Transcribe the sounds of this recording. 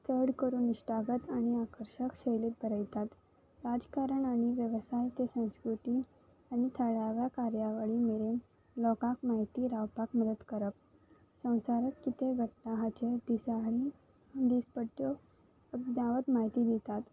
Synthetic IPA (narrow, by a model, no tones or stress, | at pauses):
t͡səɽkəɾuːnːiɕʈaɡət̪aɽ̃iakəɾɕəkɕejlet̪̚bʱəɾəjt̪at̪ | ɾad͡ʑkaɾəɳaɽ̃iʋjəʋsajt̪esə̃w̃skɾut̪iː | aɽ̃it̪ʰəɭaʋjakaɾjaʋaɭiːmeɾen | lɔkakmaɦit̪iːɾawpakməd̪əd̪kəɾəp̚ | sə̃w̃saɾət̪kit̪eɡʱəʈʈaɦat͡ɕed̪isaɽi | d̪ispəʈːjo | d̪aʋət̪maɦit̪iːd̪it̪at̪